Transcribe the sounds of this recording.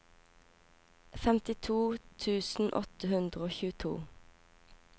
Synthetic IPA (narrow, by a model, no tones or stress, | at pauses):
fɛmt̪ɪt̪ʰuːt̪ʰʉːsn̩ʔɔ̰t̪əhʉnd̪ʁəoːçʉːət̪ʰṵː